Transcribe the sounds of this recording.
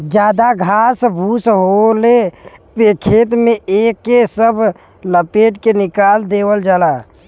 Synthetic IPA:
d͡ʒaːd̪aɡʱasbʱusɦolepekʰet̪meekːesəbʱ | ləpeʈkenɪkald̪ewəld͡ʒaːla

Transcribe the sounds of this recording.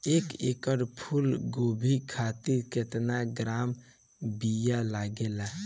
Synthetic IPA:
ekekəɾpʰulɡobʱikʰat̪iɾket̪naɡɾam | bijalaɡela

